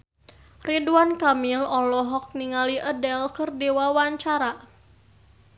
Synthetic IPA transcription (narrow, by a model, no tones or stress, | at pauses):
riduankamilɔlɔɦɔk̚niŋaliʔədɛlkərdiwawaɲt͡ʃaɾa